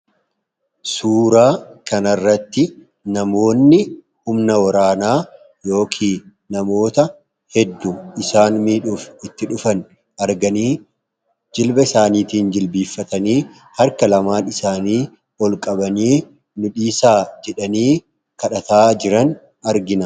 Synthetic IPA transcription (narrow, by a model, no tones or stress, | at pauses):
suːɾaːkɐnɐrːɐt̪ːɪ | nɐmo̞ːnːɪ | hʊmnɐwɐɾaːnaː | jo̞ːkʰiː | nɐmo̞ːt̪ɐ | hɛd̪ːʊɪsaːnmiːᶑuːfɪt̪ːɪᶑʊfɐn | ɐɾɡɐniː | d͡ʒɪlbɐɪsaːniːt̪iːnd͡ʒɪlbiːfːɐt̪ɐniː | hɐɾkɐlɐmaːnɪsaːniː | ɔlkʼɐbɐniː | nʊᶑiːsaːd͡ʒɛᶑɐniː | kɐᶑɐt̪aːd͡ʒɪɾɐn | ɐɾɡɪnɐ